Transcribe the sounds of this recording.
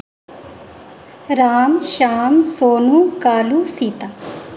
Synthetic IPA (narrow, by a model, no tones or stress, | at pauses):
ɾaːmʃaːmsoːnukaːlusiːt̪a